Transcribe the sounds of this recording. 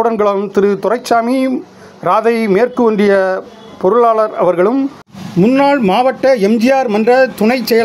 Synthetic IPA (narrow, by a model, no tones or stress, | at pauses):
ɽɐnɡɐɭɐmt̪ɪɾɯt̪ʊrɐɪt͡ʃːaːmi | ɾaːðɐɪmeːrkɯʋɐɳɖɪjɐ | pɔɾɯɭaːɭɐɾɐ̰ʋɐɾɣɐɭɯm | mʊnːaːɭmaːʋɐʈːɐɛmd͡ʒɪjaːɾmɐndrɐt̪ʊɳɐɪt͡ʃːɛjɐ